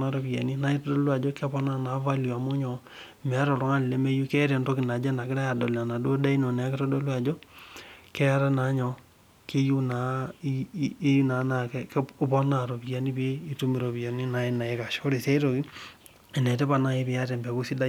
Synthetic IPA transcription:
na˨ɾo˨pi˨a̰˨ni˦na˦i˦tɔ˦dɔ˦lwa˨d͡ʒo˦kɛ˦pɔ˦na˦na˨va˦lja˨mo˦ɲɔ˨ | mɛ˨a˦ɾɔ˨ɾo˦ŋa˦lɪ˨le˦me˦ju˦kɛ˦ɾɛ˨nto˦kɪ˨na˨d͡ʒɛ˦na˨kɪ˦ɾa˦ja˨do˨la˨na˨do˦da˦i˦no˨nɛ˨a˦ke˦tɔ˦do˦lwa˨d͡ʒo˦ | kɛ˦a˦ɾa˦na˨˦ɲɔ˨ | ke˦ju˦na˨˦ | ju˦na˨˦na˨kɛ˦kɛ˦pɔ˦na˨ɾo˨pi˦ja˨˦ni˦pe˦i˦tu˦mi˦ɾo˨pi˨a˨ni˦na˨e˦na˨e˨ka˨ʃo˦ɾe˨se˦i˦ɾo˨ki˦ | ɛ˨nɛ˨tɛ˦pa˨na˦e˦pɪ˨a˦tɛ˨mbɛ˨ku˦si˦da˦

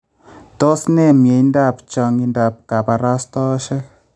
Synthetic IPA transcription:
tɔ˦snɛ˦mje˨jnda˦˨pt͡ʃa˧ŋɡi˧˨nda˨p̚ka˨pa˨ɾa˦st̪ɔ˦ʃɛ˦

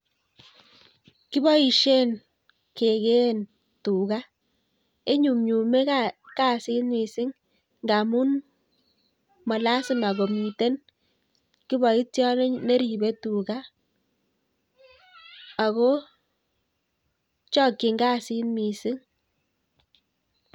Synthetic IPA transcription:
kɪ˦bɔ˦i˨ʃe˦n | ke˨ɡe˦n | tu˨ɡa˦ | e˦ɲu˨mɲu˨me˦ka˦ka˦si˦nmi˨sɪ˦ŋ | ŋɡa˨mu˦n | mɔ˨la˦sɪ˦ma˨ɡo˨mi˨te˦n | kɪ˦bɔ˨i˦tjɔ˦n˦ne˦ɾi˨be˦tu˨ɡa˦ | a˨ɣɔ˦ | t͡ʃɔ˦kːe˨ŋɡa˦si˦nmi˨sɪ˦ŋ

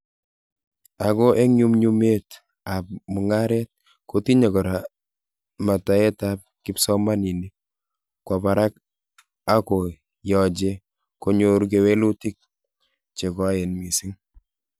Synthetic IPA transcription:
akɔ˦ʔe˦ŋɲu˦mɲu˦me˦t | ap̚mu˨ŋa˦ɾɛ˦t̚ | ko˦ti˦ɲe˨kɔ˨ɾa˨ | ma˨ta˨˦ɛ˦tap̚kɪ˦psɔ˦ma˦ni˨ni˦ | kwa˨pa˨ɾa˦k̚ | a˦ko˨ | jɔ˨d͡ʒe˦ | ko˦ɲo˦ɾk̬ewe˦lu˦ti˦k̚ | t͡ʃe˨kɔ˦jɛ˨nmi˨si˦ŋ

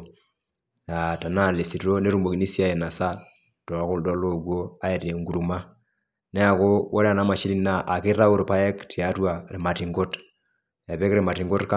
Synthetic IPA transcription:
ja˨ta˨na˦˨le˨si˨tɾo˦ne˦ɾu˦mo˨ki˨ni˦sja˦je˨na˨sa˦ | to˨a˨ko˦ldɔ˦lo˦ɡwo˦a˦e˨ɾe˨ŋɡu˨ɾu˨ma˦ | ne˦a˨ko˦wʔo˦ɾe˦a˦˨na˨˦ma˨ʃi˦i˦na˦ʔa˨ke˦ɾa˦o˦ɾo˨pa˦e˦kti˨a˨twa˨ɾe˨ma˨ti˨ŋɡo˦t | a˨βɛ˦kɾe˨ma˨ti˨ŋɡo˦tka˦

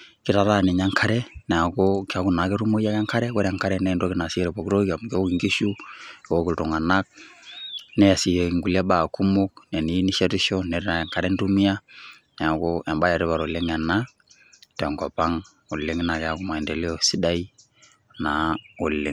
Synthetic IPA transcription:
ki˦ɾa˨ɾa˦˨ni˨ɲa˦ŋkʰa˦ɾɛ˦nɛ˨a˨ko˦ki˨a˦ku˨na˨˦kɛ˦ɾu˦mo˦ja˦ka˦ŋka˦ɾɛ˦kɔ˦ɾa˨ŋka˦ɾɛ˦nɛ˦˨ndo˦ki˦na˨sɾɛ˨po˨kɾo˦ka˨m˨ko˦ki˨ŋɡi˦ʃu˦ɛ˨wo˦ku˨ltɔ˨ŋa˨na˦k̚ | nɛ˦a˨si˨je˨i˨ŋɡu˨le˦ba˨ku˦mu˦k̚nɛ˨ni˨˦ni˦ʃe˦ɾi˦ʃɔ˦nɛ˨˦a˨ŋka˨ɾɛ˦n˦tu˦mi˦a˦ | nɛ˨a˨ko˦a˨mba˦ja˨ɾi˦βa˨ɾo˨le˦ŋɛ˨na˦ | tɛ˨ŋkɔ˨pa˦ŋ | u˨lːɪ˦ŋ˦na˨kɛ˨a˦ku˦ma˨ɛ˨nde˨li˦ɔ˨si˦da˦i˦ | na˨u˨lːɪ˨ŋ

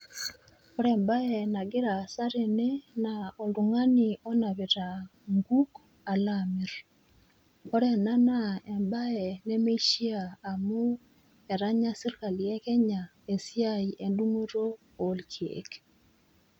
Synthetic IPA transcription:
ɔ˦ɾɛ˨mba˦ɛ˨na˨ɡɪ˦ɾa˨sa˦ɾe˨nɛ˦nao˨ndu˨ŋa˦ni˨ɔ˦na˨βe˨ta˨ŋɡu˦k | a˨lamɪ˨ɾ | kɔ˦ɾɛ˦na˦na˦˨ɛ˨mba˦ɛ˨nɛ˦me˦ʃi˦aː˨mu˦ | ɛ˨ɾa˦ɲa˦sɪ˦ɾka˨ljɛ˦kɛ˦ɲa˨ | e˨sɪ˦a˦i˨ʔe˨ndu˦ŋo˦ɾo˦ | o˨lkʰjḛ˨k

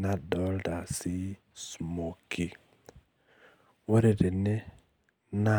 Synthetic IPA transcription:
na˨dɔ˨˦lda˨si˦ | smo˨ki˨ | wo˦ɾe˨de˨ne˦ | na˦

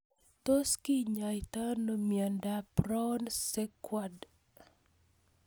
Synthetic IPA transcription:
t̪o˦ski˦ɲajt̪a˦no˨mja˨ndapɾɔ˦nse˦kwad

